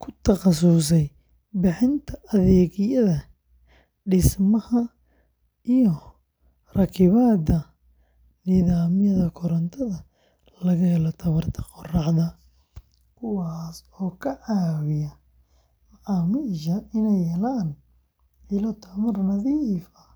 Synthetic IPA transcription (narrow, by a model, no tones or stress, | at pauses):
kʰʊt̪ʰɐqɑsʊs̬ɛj | bɪħɪnt̪ʰɐʔɐðɛːɣjɐðɐ | ɖɪsmɐhɐ | ijɔ | rɐkʰɪβaːd̪ɐ | nɪðaːmɪjɐðɐkʰʊɾɐnt̪ʰɐðɐ | lɐɣɐɦɛlɔt̪ʰɐβɐrt̪ʰɐ̥qɔrɑʕðɐ | kʰʊwɑːs | ɔːkʰɐʕaːwɪjɐ | mɐʕɑːmɪʃɐɪnɛjhɛlaːn | ɪlɔt̪ʰɐmɐrnɐðifɐ